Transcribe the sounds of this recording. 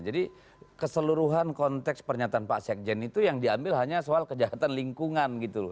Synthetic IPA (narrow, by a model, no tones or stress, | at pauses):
d͡ʒadi | kəsəluɾuɦankɔnt̪ɛkspərɲat̪aːnpasɛk̚d͡ʒɛnit̪ujaŋdiambɪlɦaɲasoalkəd͡ʒaɦat̪anliŋkuŋanɡit̪u